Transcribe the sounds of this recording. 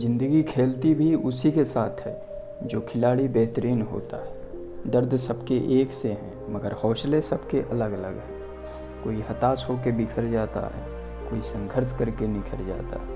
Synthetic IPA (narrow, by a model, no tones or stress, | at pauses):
zɪ̃nd̪əɡikʰeːlt̪ibʱiʊsikesaːt̪ʰɦɛ | d͡ʒoːkʰɪlaːɽibɛɦt̪əɾiːnɦo̰ːt̪a̰ɦɛː | ɖəɾd̪ʱsəbkeʔeːkseɦɛ̃məɡəɾhoːʃlesɐbkeʔɐləɡɐləɡɦɛ̃ː | koːiɦɐt̪aːsɦoːkebikʰəɾd͡ʒaːt̪a̰ɦɛ̰ː | koːisə̃ŋɡʱəɾskəɾkenɪkʰəɾd͡ʒa̰ːt̪a̰ɦɛː